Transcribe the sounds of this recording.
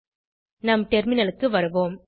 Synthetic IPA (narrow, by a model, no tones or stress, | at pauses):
nɐmʈɛɾmɪnɐlɯkːɯʋɐɾɯʋoːm